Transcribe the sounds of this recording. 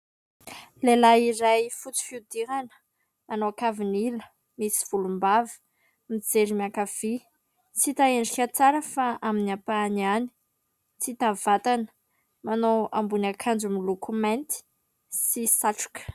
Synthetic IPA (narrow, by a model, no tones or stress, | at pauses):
lelaiɾajfut͡si̥fiud̪iɦanə̥ | anoakavinilə | misiv̥ulumbavi̥ | mid͡zeɾimiakav̥i | t͡sit̪aeɳɖ͡ʐikʲat͡saɾəfaaminiapaniani̥ | t͡sit̪av̥at̪anə̥ | manowambunakʰand͡ʒumilukʰumɛ̃nt̪i̥ | sisaʈ͡ʂu̥kə̥